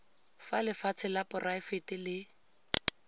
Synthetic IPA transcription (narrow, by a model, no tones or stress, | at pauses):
falɪfat͡sʰɪlapʼʊraɪfetɪlɪ